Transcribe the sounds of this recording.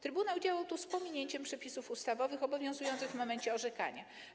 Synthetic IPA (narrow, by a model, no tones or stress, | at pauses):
t̪ɾɘbunawd͡ʑawawt̪uspɔmʲiɲeɲt͡ɕɛmpʂɛpʲisufust̪avɔvɘxɔbɔvʲjɔ̃zujɔ̃nt̪sɘɣvmɔmɛɲt͡ɕɛɔʐɛka̰ɲa